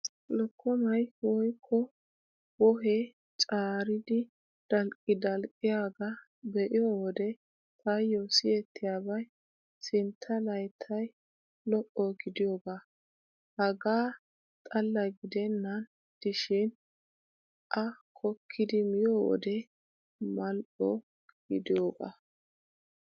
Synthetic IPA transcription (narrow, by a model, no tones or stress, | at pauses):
lɔkʰːɔmɐjwɔjkʰːɔ | wɔɦɛ | t͡ʃʼaːɾɪd̪ɪ | d̪̥ɐlkʼːɪd̪ɐlkʼːɪjaːɡɐ | bɛʔɪjɔwɔd̪ɛ | t̪ʰɐjːɔsɪjɛt̪ʰːɪjaːbɐj | sɪnt̪ʰːɐlɐjt̪ʰːɐj | lɔʔɔɡɪd̪ɪjoːɡaː | hɐɡaː | t̪ʼɐlːɐjɡɪd̪ɛnːɐn | d̪̥ɪʃɪn | ʔɐkʰɔkʰːɪd̪ɪmɪjowɔ̰d̪ɛ | mɐlʔɔ̰ | ɡ̥ɪ̰d̪ɪjoːɡa̰ː